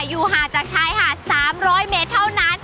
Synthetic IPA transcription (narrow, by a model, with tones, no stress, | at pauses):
juː˨˩ɦaː˨˩˦t͡ɕaː˨˩k̚t͡ɕʰaː˦˥jhaː˨˩saː˨˩˦mɾɔː˦˥jmeː˦˥t̪ʰːa˥˩wna˦˥˩n